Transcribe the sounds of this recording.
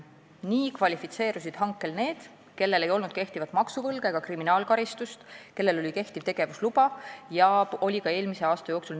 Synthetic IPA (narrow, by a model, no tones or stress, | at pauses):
niːkvɑlʲifit̪se̞ːɾus̬id̪̥ɦɑŋkːˑe̞lne̞ːd̪̥ | ke̞lːe̞le̞jo̞lnud̪̥ke̞ht̪ivɑt̪ːˑmɑksuvɤlɡ̥eeɡ̥ɑkriminɑːlkɑɾist̪ust̪ke̞lːe̞lo̞lʲike̞ht̪iv̥t̪e̞ɡ̥e̞vuslub̥ɑjɑo̞lʲikɑe̞ːlmise̞ɑːst̪ɑjo̞ːksul